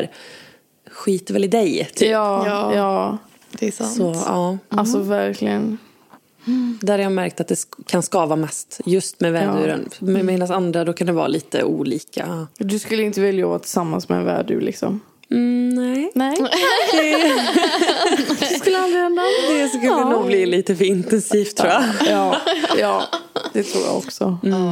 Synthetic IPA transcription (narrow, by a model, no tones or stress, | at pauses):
ɾ | ɧiːt̪əɾvɛlɪd̪ɛjt̪ʰyːjɑ̥ː | ssɔɑːalsɔvæɾkʰlɪɡən | d̪æɾjaɡmæɾkt̪at̪̚d̪ɛkʰanskɑːvamɛst̪jɵst̪mɛvæːdʉːɾə̰nmɛmeːnansand̪ɾad̪ɔkʰand̪ɛvɑ̰ːliːt̪ə̰ʔuːliːkʰa̰d̪ɵskɵlːəɪnt̪əvɪljaa̰t̪ʰɪ̥samːa̰nsmɛɛ̰nvæ̰ːɖʉ̰lɪ̰ksɔ̰m̩ | nnɛːnɛd̪ɛ | skɵlːəalɾɪhɛnd̪ad̪ɛsɔskɵləd̪ɛnuːɡbliːliːt̪əfœɾɪnt̪ɛnsʰiːft̪ʰːɾɾuːjaɑjɑːd̪ɛt̪ʰɾṵːja̰ːɔ̰ksɔ̰